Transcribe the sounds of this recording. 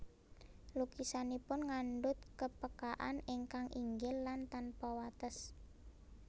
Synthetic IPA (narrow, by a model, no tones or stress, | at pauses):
lukisanipʊnŋanɖʊt̪kəpəkaʔa̰neŋkaŋʔiŋɡɪlːant̪anpawat̪əs